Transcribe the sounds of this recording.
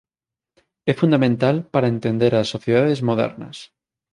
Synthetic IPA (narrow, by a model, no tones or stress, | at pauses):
ɛfũnd̪amẽnt̪alpaɾaẽnt̪ẽnd̪eɾasːoθjeðaðezmoðɛ̰ɾnɐ̰s